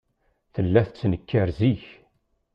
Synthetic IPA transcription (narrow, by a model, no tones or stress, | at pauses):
θəlːæθət͡sːnəkːəɾziç